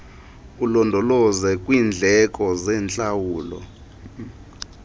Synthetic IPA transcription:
ulɔndʱɔlɔzɛkʼwiːnd͡ɮʱɛkʼɔzɛːnt͡ɬʼawuːlɔ̰

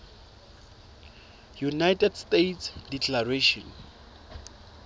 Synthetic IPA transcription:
junajtʰʼɛdstetsdikʰʼlareʃɔ̰n

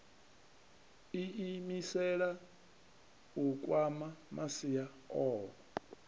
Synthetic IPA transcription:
iimisɛɺa | ukʼwamamasija | ɔːɔ

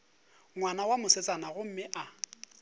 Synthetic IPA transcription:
ŋwanawamʊsɪt͡sʼanaɣʊm̩mɪʔa

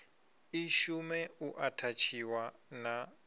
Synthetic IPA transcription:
iʃumɛuʔatʰat͡ʃʰiwa | na

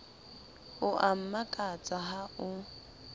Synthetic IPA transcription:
ʊʔam̩makʼat͡sʼaɦaʊ

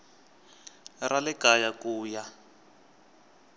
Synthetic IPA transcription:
ralɛkajakuːja

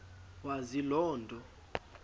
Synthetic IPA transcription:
wazilɔːndʱɔ

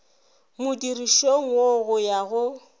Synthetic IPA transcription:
mʊdiriʃoŋ̩woɣʊjaɣʊ

